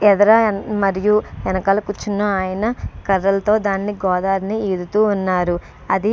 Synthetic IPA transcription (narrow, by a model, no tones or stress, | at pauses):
ɛd̪ɐɾɐmɐɾijuɛnɐkɐlɐkut͡ʃːunːɐːjɐnɐkɐɾːɐlɐt̪o̞ːd̪aːnːiɡɔːd̪aːɾɐnieːd̪ut̪uːnːaːɾu | ɐd̪i